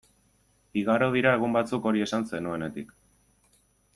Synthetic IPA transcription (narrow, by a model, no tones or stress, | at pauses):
biɣaɾo̞ð̞iɾae̞ɣ̞umbat͡suko̞ɾie̞sanse̞nue̞ne̞t̪ik